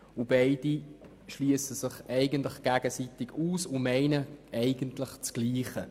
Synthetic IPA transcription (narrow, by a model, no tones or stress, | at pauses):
ʊbaɪdi | ʃliəsəsɪχæɪɡəntlɪχɡ̥æːɡ̥əsitɪɡuːsʊmæɪnəʔæɪɡəntlɪχt͡sɡ̥liːχə